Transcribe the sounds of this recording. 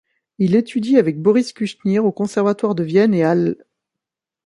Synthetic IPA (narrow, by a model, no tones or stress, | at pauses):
ilet̪ʰyd̪iavɛk̚bɔʁiskʲyʃniʁokɔ̃sɛʁvat̪waʁd̪əvjɛneal